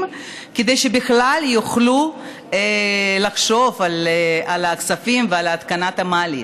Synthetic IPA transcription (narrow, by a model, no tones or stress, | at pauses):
m | ked̪ejʃebiχlaljuχlu | elaχʃo̞valealaksafimvealaaːt̪kanat̪hamaːlḭ